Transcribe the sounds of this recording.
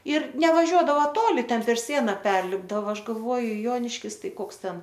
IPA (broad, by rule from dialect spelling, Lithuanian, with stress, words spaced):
ɪr nʲɛʋɐˈʒʲuɔdɐʋoː ˈtoːlʲɪ ˈtʲɛn pʲɛr ˈsʲiɛnɐ ˈpʲɛrʲlʲɪbdɐʋɐ ˈɐʃ ɡɐlˠˈʋoːjʊ ˈjoːnʲɪʃʲkʲɪs ˈtɐɪ ˈkoːks ˈtʲɛn